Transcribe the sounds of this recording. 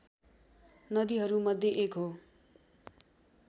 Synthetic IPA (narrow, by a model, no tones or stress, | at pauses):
nʌd̪iɦʌɾumʌd̪ʱːjeʔekɦo